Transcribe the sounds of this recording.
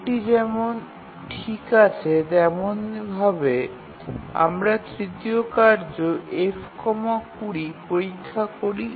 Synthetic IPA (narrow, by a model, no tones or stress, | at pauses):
ʈid͡ʑɛmon | ʈʰikat͡ɕʰed̪ɛmonbʱabe | a̰mɾat̪ɾit̪iokaɾd͡ʑoʔefkɔmakuɾipoɾikʰːakoɾi